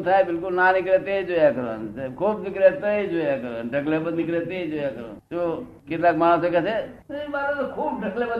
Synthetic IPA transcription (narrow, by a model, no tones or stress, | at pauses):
t̪ʰaebilkulnaniklet̪eid͡ʒojakəɾə̰nkʰubniklet̪eid͡ʒojakəɾənɖʱəklebəniklet̪eid͡ʒojakəɾə̰nt̪o | kit̪lakmanəsəkɛt͡ʃʰebaɾet̪okʰubɖʱəklebə